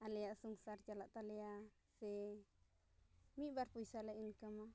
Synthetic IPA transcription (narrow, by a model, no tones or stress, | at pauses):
aleasuŋsaɾt͡ʃalaʔt̪alea | se | mibaɾpujsalainkama